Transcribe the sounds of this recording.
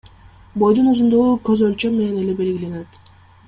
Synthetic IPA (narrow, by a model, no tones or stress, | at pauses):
bo̞jd̪unuzund̪oʁukɵzølt͡ʃømːe̞ne̞ne̞le̞be̞lɡʲile̞net̪